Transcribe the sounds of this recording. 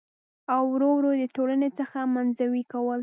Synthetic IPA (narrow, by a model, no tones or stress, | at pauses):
awɾowɾod̪ət̪olanet͡səxamanzawikawəl